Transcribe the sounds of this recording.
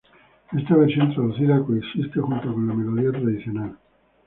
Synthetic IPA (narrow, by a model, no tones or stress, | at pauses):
est̪aβeɾsjo̞nt̪ɾaðuθiðakoeksist̪exunt̪okonlame̞loð̞iat̪ɾaðiθjo̞nal